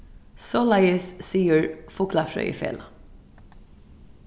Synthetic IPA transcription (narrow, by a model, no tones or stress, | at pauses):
sɔlɑɪəssiːəɹfʊklafɹœ̰ʏ̰fɛ̰l